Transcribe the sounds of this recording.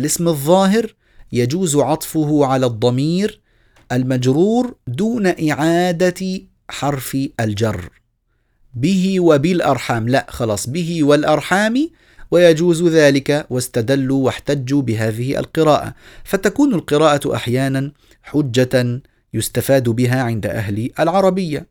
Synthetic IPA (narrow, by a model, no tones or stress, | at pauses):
lʔɪsmɨðˤːɑːɦɪɾ | jad͡ʒuːzʕɑt̪ˤfʊhʊʕalad̪ˤːɑmiːɾ | ʔalmad͡ʒɾuːɾd̪uːnaʔɪʕaːd̪a | ħɑɾˤfʔald͡ʒɑrˤː | bɪɦɪwabɪlʔɑɾˤħaːmlaʔxɑlɑːsˤbɪɦɪwalʔɑɾˤħaːmi | wajad͡ʒuːzðaːlɪkawast̪ad̪alːuwaħt̪ad͡ʒːubɪɦaːðɪhɪʔa̰lqɨɾaːʔa̰fat̪akuːnalqɨɾaːʔaʔa̰ħjaːnan | ħʊd͡ʒːa | jʊst̪afaːd̪bɪɦaːʕɪnd̪a̰ʔa̰ɦlɪʔalʕɑɾˤɑbɪjːa